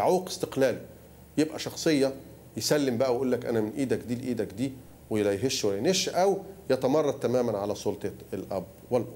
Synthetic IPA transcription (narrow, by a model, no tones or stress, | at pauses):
ʕouːqɪ̥st̪eqlæːli | jebʔæʃɑxsˤejːɑ | jesælːɪmbæʔæwʔuːlːækʔæ̰næmɪnʔiːd̪ækd̪iːlʔiːd̪ækd̪iː | wejlæjɦeʃwælːæneʃʔæwjæt̪æmɑrˤːɑd̪̚t̪ːæmæːmænʕalæsˤolt̪ˤɑelʔæ̰bːwælːʔ